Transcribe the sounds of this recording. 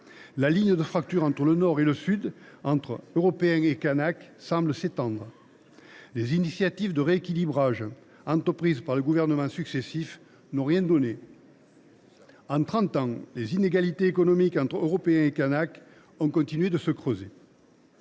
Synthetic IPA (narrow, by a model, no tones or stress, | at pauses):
laliɲd̪əfχakt̪yʁɑ̃t̪χələnɔʁeləsyd̪ɑ̃t̪χəøʁɔpeɛ̃ekanaksɑ̃bləset̪ɑ̃d̪ʁə | lezinisjat̪ivd̪əʁeekʲilibʁaʒ | ɑ̃t̪χəpχizpaʁləɡuvɛʁnəmɑ̃syksesif | nɔ̃ʁjɛ̃d̪ɔne | ɑ̃t̪χɑ̃t̪ɑ̃lezineɡalit̪eːkɔnɔmikɑ̃t̪χøʁɔpeɛ̃ekanak | ɔ̃kɔ̃nt̪inɥed̪əsəkχøze